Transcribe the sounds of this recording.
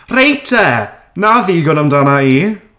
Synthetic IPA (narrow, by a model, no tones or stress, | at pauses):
rejtʰɛ | naðiːɡɔnəmdanaiː